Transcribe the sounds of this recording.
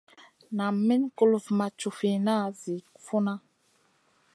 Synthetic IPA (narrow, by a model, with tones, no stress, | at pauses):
na˨mmi˦nku˦lu˨vma˨t͡ʃu˨fi˨na˦zi˨kfu˦na˦